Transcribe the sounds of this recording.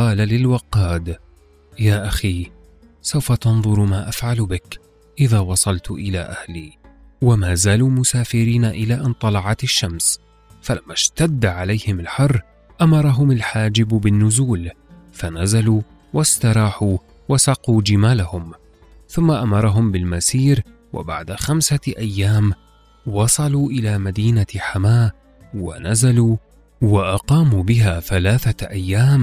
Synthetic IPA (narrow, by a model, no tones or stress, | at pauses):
ɑːlalɪlwɑqɑːd̪ | jaːʔaxiː | sawfat̪ɑnðˤʊɾmaːʔafʕalbɪk | ʔɪðaːwɑsˤɑlt̪ʔɪla̰ːʔahliː | wamaːzaːluːmʊsaːfɪɾiːnaʔɪlaːʔɪnt̪ˤɑlɑʕɑt̪ɪʃːams | falamːaʃt̪ad̪ːʕalajhɪmalħɑrˤː | ʔamɑɾˤɑɦʊmalħaːd͡ʒɪbbɪnːʊzuːl | fanazaluː | wast̪ɑɾˤɑːħuː | wasɑquːd͡ʒɪmaːlahʊm | θʊmːaʔamɑɾˤɑɦʊmbɪlmasiːɾ | wʔa̰ba̰ʕd̪axamsaʔajːaːm | wɑsˤɑluːʔɪlaːmad̪iːnaħamaː | wa̰nazaluː | waʔɑqɑːmuːbɪɦaːθalaːθaʔajːaːm